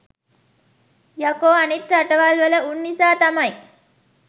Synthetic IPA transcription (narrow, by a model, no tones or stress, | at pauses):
jɐkoːanit̪ɾaʈəʋalʋələunːisaːt̪ɐmɐj